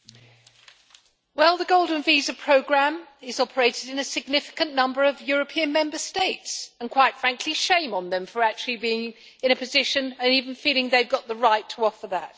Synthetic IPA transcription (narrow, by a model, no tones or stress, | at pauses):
wɛlˠðəɡoʊlˠdⁿn̩vizəpʰɹ̥oʊɡɹæ̃mɪzɒpʰə˞eɪtɪdɨ̃nɨsɨɡ̚nɪfɪ̥kə̃nːʌ̃mbə˞ʌvjʊɹəpʰiɨ̃nmɛ̃mbəsteɪtsə̃nkʰw̥aɪtfɹæ̃ŋkʰliʃẽɪ̃mə̃nðə̃ɱfə˞æk̚t͡ʃʉlˠibiɪ̃ŋ | ɨ̃ɾ̃ɨpʰɨzɪʃɨ̃nɨ̃nivə̃nfilˠɪ̃ŋðeɪvɡɒt̪̚ðəɹaɪtʰəɒfə˞ðə̰t̚